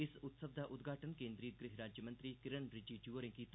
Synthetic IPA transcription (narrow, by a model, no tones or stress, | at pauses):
ɪsʊt̪səbd̪ʱaʔʊd̪ɡʱaːʈənkẽːnd̪ɾiːt̪̚ɡɾɪɦɾaːd͡ʒjəmɐ̃nt̪ɾiːkɪɾənɾɪd͡ʒid͡ʒuʋəɾẽkit̪